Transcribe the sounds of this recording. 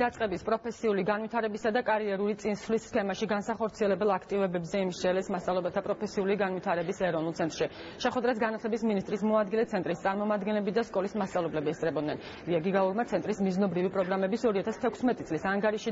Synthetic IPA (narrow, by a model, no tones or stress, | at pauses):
d̪̥at̪sʼqʼɛbispʼɾɔpʰɛsiuliɡanvit̪ʰaɾɛbisad̪akʼaɾiɛɾulit̪sʼinsvlisːkʰɛmaʃiɡansaχɔɾt̪sʰiɛlɛbɛlˠakʰt̪ʼivɛbɛbzɛimʃt͡ʃɛlɛsmast̪sʼavlɛbɛlˠt̪ʰapʼɾɔpʰɛsiuliɡanvit̪ʰaɾɛbisɛɾɔvnulˠt̪sʰɛnt̪ʼɾʃi | ʃɛχwɛd̪ɾas̬ɡanat̪ʰlɛbisminist̪ʼɾismɔad̪̚ɡilɛt̪sʰɛnt̪ʼɾist̪sʼaɾmɔmad̪ɡɛnlɛbid̪askʼɔlismast̪sʼavlɛblɛbiɛst̪ʼɾɛbɔd̪nɛn | ɾiaɡiɡauɾmat̪sʰɛnt̪ʼɾismiznɔbɾivipʼɾɔɡɾamɛbisɔɾiat̪ʰast̪ʰɛkʷʰsmɛt̪ʼit̪sʼlisaŋɡaɾiʃi